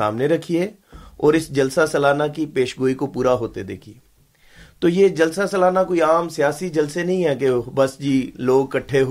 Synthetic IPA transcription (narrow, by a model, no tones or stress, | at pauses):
a̰ːmneɾɐkʰie | ɔːɾɪsd͡ʒɐlsasɐlaːnakipeːʃɡoːikopuːɾaɦoːt̪ed̪ḛːkʰi | t̪oːjed͡ʒɐlsasɐlaːnakoːiaːmsijaːsid͡ʒɐlsenɐɦĩɦɛːkebɐsd͡ʒiːloːɡ̚kɐʈʰːeɦ